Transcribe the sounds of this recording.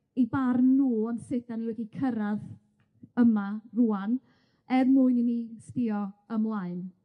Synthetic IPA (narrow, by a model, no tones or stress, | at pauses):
ejbarnuːɔnsɪtanlɛɡikʰəɾað | əmaruan | ɛrmʊɨninistɪɔəmlˠaɨn